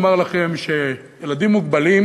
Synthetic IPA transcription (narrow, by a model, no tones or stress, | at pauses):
maʁlaχe̞mʃe | jelad̪imːuɡbalim